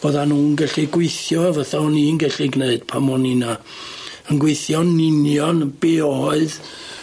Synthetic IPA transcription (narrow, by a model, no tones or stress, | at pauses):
b̥oðanuːnɡɛɬiɡwejθjɔvəθaninɡɛɬiɡneɨd̥̚pʰamɔnina | ənɡwejθjɔnɪnjɔnb̥eɔɔɨð